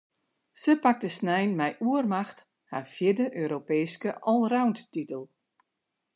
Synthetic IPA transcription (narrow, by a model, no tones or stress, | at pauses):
səpak̚dəsnɛjnmɛjʔuərmaxt | hafjɪrdəʔøːɾopeːskəʔɔlˠrawnttitəlˠ